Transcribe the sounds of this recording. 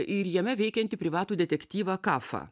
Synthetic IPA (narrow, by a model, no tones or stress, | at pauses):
ʔɪɾjɛmʲɛʋʲɛɪkʲɛnt̪ʲɪpʲɾʲɪʋɑːt̪uːd̪ʲɛt̪ʲɛkt̪ʲiːʋɑkɑːfɑ̰